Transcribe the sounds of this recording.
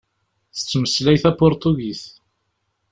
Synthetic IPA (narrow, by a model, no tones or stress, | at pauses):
θə̥t͡sːməslæjθæpʊɾt̪uɡiθ